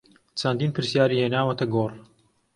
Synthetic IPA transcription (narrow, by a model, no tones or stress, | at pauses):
t͡ʃʰɐnd̪iːnpɨɾsjaːɾiːheːnaːwɐt̪ɐɡoːr